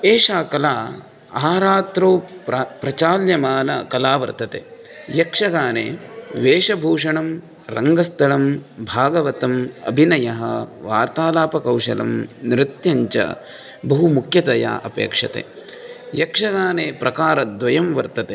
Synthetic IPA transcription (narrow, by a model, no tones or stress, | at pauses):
eːʂaːkɐlaː | aːɾaːt̪ɾoːpɾɐt͡ʃaːljɐmaːnɐkɐlaːʋɐ̰ɾt̪ɐt̪ḛː | jɐkʂɐɡaːnḛːʋeːʃɐbʱuːʂɐɳɐm | ɾɐŋɡɐst̪ʰɐɭɐmbʱaːɡɐʋɐt̪ɐmɐ̰bʱinɐjɐɦɐʋaːɾt̪aːlaːpɐkɐwʂɐ̰lɐ̰mnɾɪt̪jɐɲt͡ʃɐ̰ | bɐɦumukʰjɐt̪ɐja̰ːʔɐpḛːkʂɐt̪ḛː | jɐkʂɐɡaːneːpɾʔɐkaːɾɐd̪ʋɐjɐmʋɐɾt̪ɐt̪eː